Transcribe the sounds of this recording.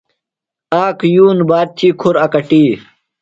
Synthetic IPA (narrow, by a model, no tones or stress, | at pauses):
aːkʰjuːnbaːd̪̚t̪ʰiːkʰuɾɐkɐʈiː